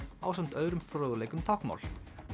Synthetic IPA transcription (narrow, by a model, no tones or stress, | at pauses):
aːwsam̥t̪œːðɾʏmfɾowðʏleːjkʏmt̪ʰawkma̰wl